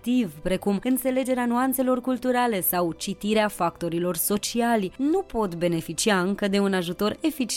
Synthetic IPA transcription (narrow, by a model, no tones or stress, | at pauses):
t̪ivpɾe̞kumɨnt̪se̞le̞d͡ʒe̞ɾeanuant̪se̞lo̞rkult̪uɾale̞sawt͡ʃit̪iɾeafak̚t̪o̞ɾilo̞rso̞t͡ʃialʲnupo̞t̪be̞ne̞fit͡ʃiaɨŋkəd̪e̞unaʒut̪o̞ɾe̞fit͡ʃ